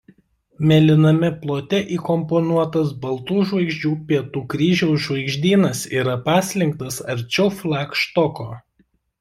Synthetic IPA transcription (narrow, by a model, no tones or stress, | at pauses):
mʲɛlʲɪnɐmʲɪplˠoːt̪ʲɛʔiːkɔmpɔnuɔt̪ɐs̬bɐlˠt̪uːʒʋɐɪɡʒʲd͡ʒʲuːpʲiɛt̪uːkɾʲiːʒʲɛʊʒʋɐɪɡʒʲd̪ʲiːnɐsiːɾɐpɑːsʲlʲɪŋk̚t̪ɐsɐɾʲt͡ʃʲɛʊflˠɑːkʃt̪ɔkoː